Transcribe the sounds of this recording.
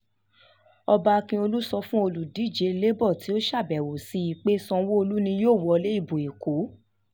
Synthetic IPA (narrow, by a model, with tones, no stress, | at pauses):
ɔ˧ba˧kĩ˧o˧lu˦sɔ˧fũ˦o˧lu˨di˨˦˨d͡ʒe˨˦˧le˦bɔ˦˨ti˨˦o˦ʃa˦˨bɛ˨wo˨si˧˦i˨k͡pe˦sɔ̃˧wo˦o˧lu˦nĩ˧joː˦˨wɔ˨˦ɔ˧le˦i˦˨bo˨e˨ko˨˦